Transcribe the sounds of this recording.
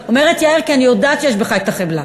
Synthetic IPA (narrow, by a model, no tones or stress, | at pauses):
omeʁet̪jaeʁkianijod̪aːt̪ʃejeɛʃ̬beχaet̪aχebla